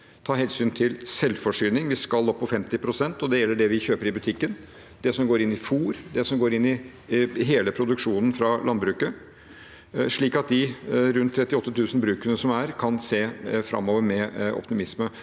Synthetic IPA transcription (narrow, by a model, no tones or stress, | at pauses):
t̪ʰɑːɦɛlsyːnt̪ʰɪlsɛlːfɔʂyːnɪŋʋɪskɑlːɔpːɔfɛmt̪ɪpʰɾʊsɛnt̪ɔd̪ɛjɛlːəɖɛʋɪçøːpəɾɪbʉt̪ʰɪkːən | d̪ɛsɔmɡoːɾɪnːɪfuːɾd̪ɛsɔmɡoːɾɪnːɪ | ɦeːləpʰɾʊd̪ʉkʂuːnən̩fɾɑlʔɑnbɾʉːkə | ʂɭiːkɑt̪̚d̪ɪɾʉnt̪ʰːɾɛt̪ːɪɔt̪ːət̪ʰʉːsn̩bɾʉːkənəsɔmæɾkʰɑnseːfɾɑ̰mːoːʋəɾmɛɔ̰pt̪ɪmɪsmə